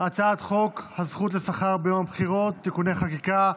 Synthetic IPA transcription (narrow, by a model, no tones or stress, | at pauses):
at͡saat̪χo̞khazχutlesaχaʁbejomabχiʁo̞t̪ːikuneχakika